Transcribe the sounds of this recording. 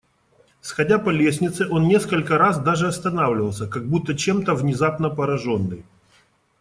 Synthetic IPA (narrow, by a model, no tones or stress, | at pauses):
sxɐdʲapɐlʲesʲnʲɪt̪sɨʔo̞nnʲe̞skəlʲkəɾas̬d̪aʐɨɐst̪ɐnavlʲɪvəlˠsʲəkɐɡ̚but̪ːət͡ɕe̞mt̪əvnʲɪzapnəpəɾɐʐo̞nːɨ̰j